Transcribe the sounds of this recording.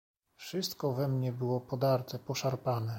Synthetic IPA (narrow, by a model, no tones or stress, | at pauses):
fʂɘst̪kɔvɛmɲɛbɘwɔpɔd̪aɾt̪ɛpɔʂaɾpanɛ